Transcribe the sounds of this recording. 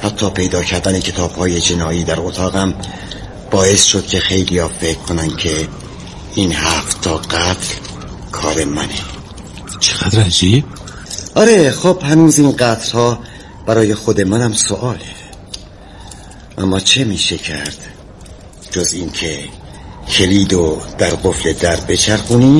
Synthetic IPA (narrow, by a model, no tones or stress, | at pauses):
hæt̪ʰːɒːpʰe̞jd̪ɒːcʰæɾd̪æne̞cʰe̞t̪ʰɒːb̥hɒːje̞d͡ʒenɒːiːd̪æɾot̪ʰɒːɣæm | b̥ɒːe̞sʃod̪̥̚cʲʰe̞xe̞jlijɒːfe̞kkʰːonænd̪̥cʰe | iːnhæːft̪t̪ʰːɒːɡæt̪ʰl | kʰɒːɾe̞mæne | t͡ʃʰeʁ̥æd̪ɾæd͡ʒib̚ | ʔɒːɾexoːb̥hænuːziːnɢæt̪ʰlhɒː | b̥æɾɒːje̞xod̪e̞mænæmsoʔɒːle | ʔæ̰mːɒːt͡ʃʰe̞miːʃecʰæɾd̪̥ | d͡ʒoziːncʰe | kʰe̞liːd̪od̪̥æɾɢofle̞d̪æɾbe̞t͡ʃʰæɾxuːniː